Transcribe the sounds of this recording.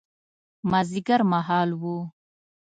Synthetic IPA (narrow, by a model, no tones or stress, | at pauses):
maziɡaɾmaɦɑːlwu